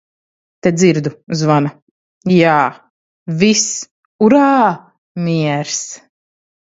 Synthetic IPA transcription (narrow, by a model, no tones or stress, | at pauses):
t̪ed̪ziɾd̪uzvana | jaː | vis | uɾaː | miɛɾs